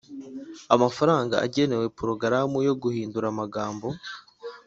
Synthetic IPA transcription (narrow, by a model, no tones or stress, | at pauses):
amafaɾaːŋɡa̰a̰ɟe̞ne̞we̞puɾoɡaɾamujo̞ɡuhiːnduɾamaɡaːmbo̞